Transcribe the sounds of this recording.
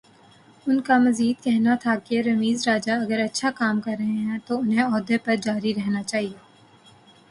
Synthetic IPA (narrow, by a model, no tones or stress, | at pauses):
ʊnkamɐziːd̪̚kɛɦnat̪ʰakeɾɐmiːzɾaːd͡ʒaɐɡəɾɐtːʃʰakaːmkɐɾːɐɦẽɦɛ̃t̪oʊnɦẽɔːd̪epɐɾd͡ʒaːɾiɾɛɦnat͡ʃaːɦieː